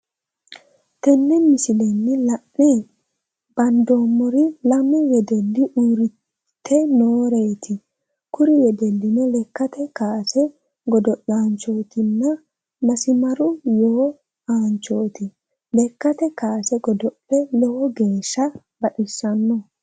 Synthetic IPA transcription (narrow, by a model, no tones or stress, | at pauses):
t̪ɛnːɛmɪsɪlɛnːɪlɐʔɛ | b̥ɐnd̪oːmːɔɾɪlɐmɛjɛd̪ɛlːɪʔuːɾɪ | t̪ʰːɛnoːɾejt̪ʰɪ | kʊɾɪjɛd̪ɛlːɪnɛlɛkːɐt̪ɛkaːsɛ | ɡɔd̪ɔʔaːnt͡ʃo̞ːt̪ɪnːɐ | mɐsɪmɐɾʊjoː | aːnt͡ʃoːt̪ɪ | lɛkːɐt̪ɛkaːsɛɡɔd̪ɔpːɛlɔwɔɡe̞ːʃːɐ | bɐɗɪsːɐnːɔ